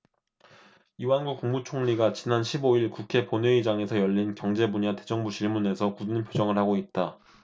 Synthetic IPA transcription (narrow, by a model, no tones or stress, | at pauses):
iwanɡuk̚k͈uŋmut͡ɕʰoŋʎiɡat͡ɕinanɕʰiboiɭkukʰe̞ponwe̞id͡ʑaŋe̞sʰʌjʌʎːinkjʌŋd͡ʑe̞buɲate̞d͡ʑʌŋbut͡ɕiɭmune̞sʰʌkudnɯnpʰjod͡ʑʌŋɯɭhaɡoit̚t͈a